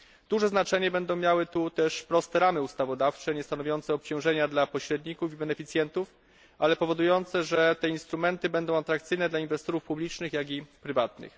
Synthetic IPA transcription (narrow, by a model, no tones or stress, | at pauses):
d̪̥uʐɛznat͡ʂɛɲɛbɛnd̪ɔ̃w̃mʲjawɘt̪ut̪ɛʂpɾɔst̪ɛɾamɘust̪avɔd̪aft͡ʂɛɲɛst̪anɔvʲjɔnt̪sɛɔp̚t͡ɕɔ̃w̃ʐɛɲad̪lapɔɕɾɛd̪ɲikufibɛnɛfʲit̪sʲjɛnt̪uf | ʔalɛpɔvɔd̪ujɔnt̪sɛʐɛt̪ɛinst̪ɾumɛnt̪ɘbɛnd̪ɔ̃w̃at̪ɾakt̪sɘjnɛd̪lainvɛst̪ɔɾufpublʲit͡ʂnɘxjaɡʲipɾɘvat̪nɘ̰x